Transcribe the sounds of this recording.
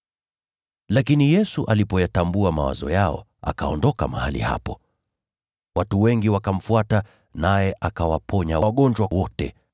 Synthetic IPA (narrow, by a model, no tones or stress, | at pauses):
lakinijɛsuʔalipɔjatambuama̰wa̰zɔ̰jaɔ̰ | a̰kaɔndɔkama̰halḭha̰pɔ | watuwɛŋɡiwakam̩fuata | najɛʔakawapʰɔɲaɠɔnd͡ʒwawɔtɛ̰